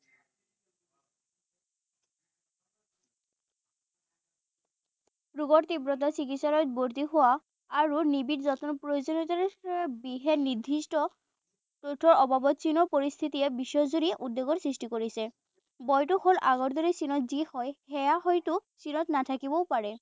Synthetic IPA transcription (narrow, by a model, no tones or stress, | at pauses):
pɹuɡɔɹt̪ibɹɔt̬asikitsalɔjt̚boɹt̪iɦʊwaː | ɹunibitzɔtɔnpɹojozonit̬aɹbiɦɛnid̪ʱːistɔ | totʰːɔɹɔbabɔtsinɔpoɹist̪ʰitiɛbiʃɔzuɾiʔud̪ːeɡɔɹsɹistikoɹisɛ | bɔjtuxolʔaɡɔɹd̪oɹisinɔtzihɔjhɛjaɦɔjtʊsinɔtnatʰakibɔpaɹɛ